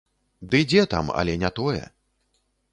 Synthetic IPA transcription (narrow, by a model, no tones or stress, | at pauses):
d̪ɨd͡zʲɛt̪a̰mɐ̰lʲɛnʲɛt̪ɔjɛ̰